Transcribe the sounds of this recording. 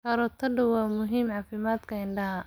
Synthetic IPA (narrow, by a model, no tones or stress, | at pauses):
hɐɾɔt̪ʰɐɖʊwɑːmʊɦiːmʕɑːfɪmaːd̪kʰɐɪɳɖɐɦɐ